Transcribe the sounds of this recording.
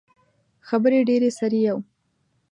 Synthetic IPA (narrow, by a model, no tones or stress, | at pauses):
xabəɾeɖeɾesaɾijaw